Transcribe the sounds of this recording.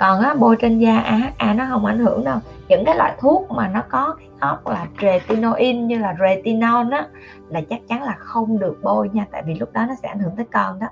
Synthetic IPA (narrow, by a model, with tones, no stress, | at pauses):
kɔ˨˩nʔaː˨˦ɓo˧jt͡ɕe˧nzaː˧ʔaː˧ɦaː˦k̚ʔaː˧nɔ˨˦ɦə˧wŋ͡mʔa˧˩jŋ̟hɨ˧˩əŋɗə˧w | ɲɨ̰˧˥ŋkaː˨˦jlwa̰ː˧˨jt̪ʰu˦˥ək̚maː˨˩nɔ˨˦kɔ˨˦˨hə˦˥wk͡p̚laː˨˩ze˨˩t̪i˧no˧ʔi˧nɲɨ˧laː˨˩ze˨˧˩t̪i˧no˧naː˨˦ | laː˨˩t͡ɕa˦˥k̚t͡ɕa˨˦nlaː˨˩xə˧wŋ͡mɗɨ˨˩ək̚ɓo˧jɲaː˧t̪a̰ː˧˨jvi˨˩lʊ˦˥k͡p̚ɗɔ˨˦nɔ˨˦sɛ̰˧˥ʔa˧˩jŋ̟hɨ˧˩ŋt̪əː˨˦jkɔ˨˧˩nɗɔ˨˦